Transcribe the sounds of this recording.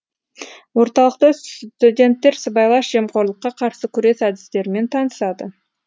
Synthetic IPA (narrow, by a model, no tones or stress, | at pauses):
wo̞ɾt̪ɑlˠəqt̪ət̪ud̪ʲe̞nt̪ːe̞ɾsəbɑjlˠɑʃʒ̥e̞mqʰo̞ɾlˠəqːɑqʰɑɾsəkʲʰʏɾe̞sæd̪ɪst̪e̞ɾme̞nt̪ʰɑnəsɑd̪ə